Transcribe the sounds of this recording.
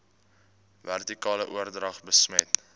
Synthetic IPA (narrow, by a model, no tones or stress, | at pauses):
værtikɑːləʔuərdrɐχbəsmɛt